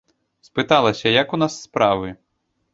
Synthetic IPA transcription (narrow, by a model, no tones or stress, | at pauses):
spɨt̪alˠɐsʲɐjɐkunasːpɾavɨ